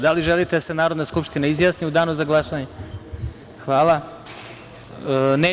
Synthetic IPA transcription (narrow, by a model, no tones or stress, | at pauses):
d̪aliʒelit̪ed̪asenaːɾo̞d̪naskupʃt̪inaizjaːsniud̪aːnuzaɡlˠaʃaɲe | xʋaːlˠa | neː